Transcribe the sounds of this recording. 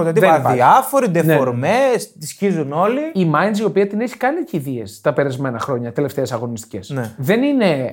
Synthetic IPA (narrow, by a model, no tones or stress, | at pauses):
ot̪ɐt̪iðɐiɐfo̞ɾid̪enfeoɾmest̪isçizuno̞liimɐjnsio̞piɐt̪ineçi̥kɐniceiðie̞st̪ɐpeɾɐzme̞nɐxɾo̞ɲɐt̪e̞left̪e̞esɐɣo̞nist̪i̥ce̞sneðe̞nine̞